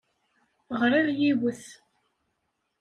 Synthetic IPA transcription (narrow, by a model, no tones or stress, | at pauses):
ʁɾˤiʁjiwəθ